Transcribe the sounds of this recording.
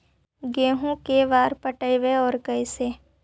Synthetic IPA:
ɡeːɦũkeʋaːɾpəʈəjʋeɔːɾkəɪseː

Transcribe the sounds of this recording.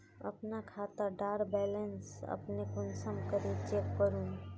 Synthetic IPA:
ə̰pnakʰat̪əɾɖaɾbɛlənsə̰pnekonsəmkəɾit͡ʃekkəɾun

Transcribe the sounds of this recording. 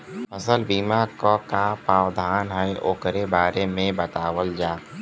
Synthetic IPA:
pəsəlbiːmakokapaːwd̪ʱaːnɦɛeʔoːkɾebaːɾemẽbət̪aːwəld͡ʒaː

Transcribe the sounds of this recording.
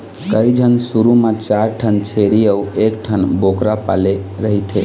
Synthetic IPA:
kəid͡ʒʱənsuɾumat͡ʃaɾʈʰənt͡ʃʰeɾiauekʈʰənbokɾapa̰leɾəɦit̪ʰe

